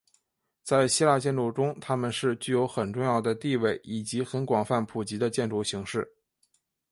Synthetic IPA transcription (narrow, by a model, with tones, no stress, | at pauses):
t͡sa˥˩ɪɕi˥la˥˧t͡ɕjɛ˥˧nlu˥˩ʈ͡ʂʊ˥ŋt̪ʰa˥mə˨nʂɻ̩˥˧t͡ɕy˥˩jo˧˥ʊxə˨˩nʈ͡ʂʊ˥˧ŋjɑ˥˩ʊd̪ə˩t̪i˥˧we˥˩ɪi˨˩t͡ɕi˧˥xə˧˥nkwɑ˨˩ŋfa˥˩npʰu˨˩t͡ɕi˧˥d̪ə˧t͡ɕjɛ˥˧nʈ͡ʂu˥˩ɕi˧˥ŋʂɻ̩˥˩